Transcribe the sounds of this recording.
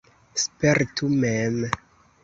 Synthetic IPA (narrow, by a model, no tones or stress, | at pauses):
speɾtumem